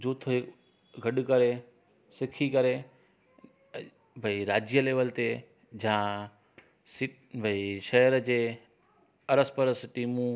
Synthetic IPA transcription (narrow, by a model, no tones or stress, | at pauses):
d͡ʑuːt̪ʰe | ɡʱɐɗkəɾe | sɪkʰikɐɾe | bʱɐiɾaːd͡ʑjəleːʋəlt̪e | d͡ʑã | sɪʈ | bʱɐiʃɐːəɾəd͡ʑeː | ɐɾəspəɾəsɪʈimũ